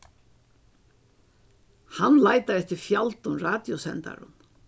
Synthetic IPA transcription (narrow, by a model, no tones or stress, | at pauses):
hanːlaːjt̪aɾɛft̪ɪɾfjalt̪ʊmraːt̪jɔsɛ̰nt̪a̰ɾʊ̰n